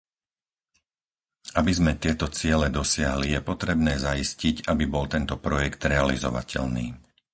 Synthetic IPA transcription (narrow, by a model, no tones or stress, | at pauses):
abizmɛt̪ɪɛt̪ɔt͡sɪɛlɛd̪ɔsɪaɦlijɛpɔt̪ɾɛbnɛːzaiscicabibɔlt̪ɛnt̪ɔpɾɔjɛkt̪ɾɛalḭzɔ̰ʋa̰cʰɛ̰lnḭː